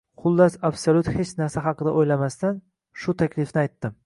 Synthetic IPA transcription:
χʊlˠːasabsolʲʊt̪het͡ʃnaɾsaɦɑqɨd̪aʔojlamast̪an | ʃʊt̪ʰakʲʰlɪfnɪajt̪ːɪm

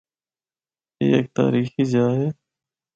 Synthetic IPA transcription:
ḛːeːk̚t̪a̰ːɾiːxiːzaːɦeː

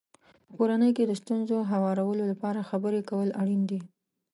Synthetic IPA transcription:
pəkoɾanəjked̪əst̪unzoɦawɑɾawəlolapɑɾaxabəɾekawəlaɽind̪i

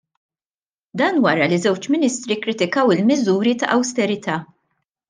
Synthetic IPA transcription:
d̪ɐːnwɐɾɐlizɛwt͡ʃmɪnist̪ɾikːɾɪt̪ɪkɐwɪlmɪzuːɾit̪ɐ̰ʔɐwst̪ɛɾɪt̪ʰɐː

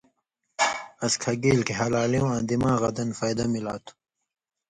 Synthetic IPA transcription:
ɐskʰɐɡeːlkeɦɐlaːliũãːd̪imãːɣɐd̪ɐnfaːjd̪ɐmilaːt̪ʰu̥

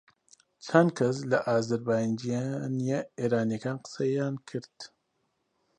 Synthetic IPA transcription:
t͡ʃʰɐn̚kʰɐs̬lɐʔaːzɐɾbaːjnd͡ʒijanijeeːɾaːnjekaːnqɨ̥sɐjaːnkʰɨɾd̪̥

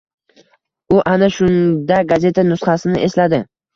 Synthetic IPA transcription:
ʊʔanaʃʊnd̪aɡaze̞t̪ʰanʊsχasɪnɪʔe̞slad̪ɪ

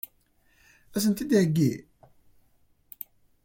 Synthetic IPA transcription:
æs̬ənt̪id̪ʕəɡːi

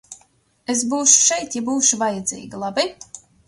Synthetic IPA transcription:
es̬buːʃu̥ʃɛjt̪jabuːʃuvajad̪zḭːɡilˠabi

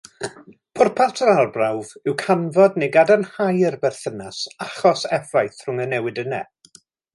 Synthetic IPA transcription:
pʰʊrpʰatʰəarˠbrawvɪwkʰanvɔdneɡadanhajərbɛrθənasaχɔsɛvajθr̥ʊŋənɛwɨdənɛ

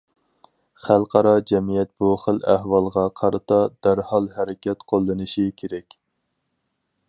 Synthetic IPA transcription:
χælˠqʰɑɾɑd͡ʒɛmijɛt̪̚b̥uχəlæhwɑlˠʁɑqʰɑɾɨt̪ʰɑd̪̥æɾhɑlˠɦɛɾɪkʲɛt̪qʰolˠːɨnɨʃikʲʰeɾɛkʲ

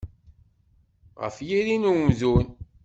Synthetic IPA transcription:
ʁə̰fjiɾinumðun

